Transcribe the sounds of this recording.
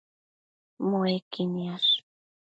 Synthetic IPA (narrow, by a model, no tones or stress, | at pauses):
moekinias